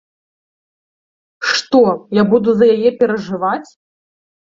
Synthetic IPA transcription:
ʂt̪ɔjabud̪uzɐjajɛpʲɛɾɐʐɨvat͡sʲ

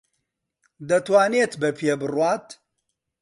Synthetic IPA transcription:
d̪ɐt̪waːneːt̪bɐpʰebɨrwaːt̪

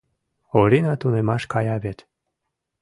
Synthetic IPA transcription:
oɾinɑt̪unemɑʃkɑjɑβet̪

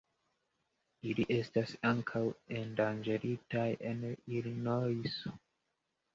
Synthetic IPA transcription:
iliʔe̞stasaŋkʰawendand͡ʒeɾitajenilinojso

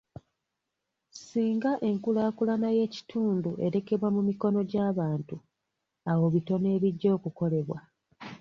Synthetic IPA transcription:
siːŋɡaʔe̞ŋkulaːkulanaje̞ːci̥tʰuːnduʔe̞ɾe̞ke̞βwamumiko̞no̞ɟaːβaːntu | awo̞βito̞ne̞ːβiɟːo̞ːkuko̞le̞βwa

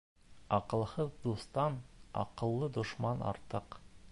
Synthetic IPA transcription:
ɑqɤ̆lˠhɤzd̪ust̪ɑnɑ̰qɤ̆lˠːɤd̪ŏʃmɑnɑ̰ɾt̪ɤq

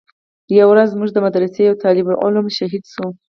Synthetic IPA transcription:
jawɾazːmuʒd̪əmad̪ɾasejawt̪ʰɑlɪbɾʔʊ̰lamʃaɦid̪ʃu

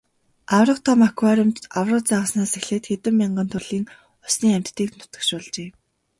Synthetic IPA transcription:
awrə̆qt̪ʰɔmakwaːɾʊmt̪awrə̆qt͡saʁə̆snaːsexɮeːt̪xet̪ɘ̆mːiɴɢə̆nt̪ʰʊɮiːŋ | ʊsniːæm̥ʲt̪ːiːknʊ̥t̪ə̆kʃʊːɮt͡ɕeː

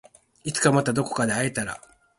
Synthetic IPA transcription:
it͡sɨ̥kamat̪ad̪o̞ko̞̥kad̪e̞aet̪aɾa̰

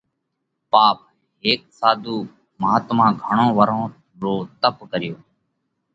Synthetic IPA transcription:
paːp̚ | ɦeːk̚saːd̪ʱuː | maːt̪mãːɡʱəɳõːʋəɾõː | ɾoːt̪əpkəɾɪjoː

